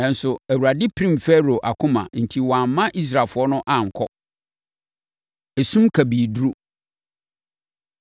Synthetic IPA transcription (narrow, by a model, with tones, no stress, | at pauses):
nã˦n̩˦sʊ˨æ˨wu˨ɾa˨dɪ˦pʰɾĩ˦mfɛ˦ɾo˨ʔa˨kʰʊ̃˦mã̰˨n̩˨tʰi˦wɔ˨ã˨mː˦ã˦ʔi˦s̬ɾaː˨fʊ˨˦ɔ˦nʊ̃˦ʔã˦˨ŋ̩˨kʰɔ̰˦ | e˨sũ˦mkʰæ˨bi˨du˦ɾu˦